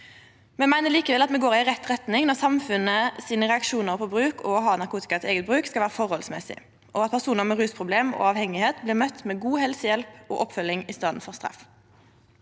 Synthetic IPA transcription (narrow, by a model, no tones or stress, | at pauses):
mɛmæɪnəʁliːkəʋɛlɑt̪mɛɡoːʁɪʁɛt̪ːʁɛt̪nɪŋnɔʁsɑmfʉnəsiːnəʁɛɑkʃuːnəʁpʰɔbʁʉːkʰɔːɦɑːnɑʁkʰuːt̪ɪ̥kɑt̪eːɡət̪̚bʁʉːkskɑʋæːʁəfɔʁhɔlsmɛsɪ̰ | ʔɔɑt̪pʰæʁsuːnəʁmɛʁʉːspʰʁʊbleːmo̰ːɑʋhɛŋɪheːt̪blɪːʁmœt̪ːmɛɡuːhɛlsəjɛlpɔ̰ːʔɔpfœlːɪŋɪst̪ɑːd̪n̩fɔʁst̪ʁɑ̰f